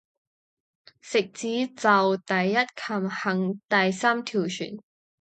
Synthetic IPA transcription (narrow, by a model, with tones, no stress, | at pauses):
sɪ˨k̚t͡siː˨˥t͡sɐ˨wt̪ɐ˨jːɐ˥t̚kʰɐ˨˩mhɐ˨˥ŋt̪ɐ˨jsaː˥mt̪ʰiː˨˩wt͡ʃʰy̰ː˨˩n